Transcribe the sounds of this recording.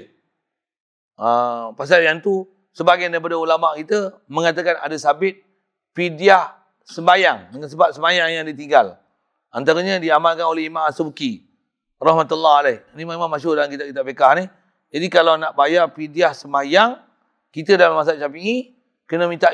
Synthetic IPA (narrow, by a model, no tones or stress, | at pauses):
əpas̬aljant̪u | səbaɡajndaɾip̬adaulamaʔkit̪ə | mə̃ŋat̪əkana̰dasabɪt̪̚ | pidiah | səmbajaŋdəŋansəbap̚səmajaŋjaŋdit̪iŋɡal | ant̪aɾaɲadiamalkanoleimamasubki | rɑhmat̪ulːaɦalaanimãimãmaʃʊdalankit̪aʔkit̪aʔpekahni | d͡ʒadikalanaʔbajarpidiahsəmbajaŋ | kit̪ədalamas̬at̪̚t͡ʃapiŋi | kənəmĩt̪aʔ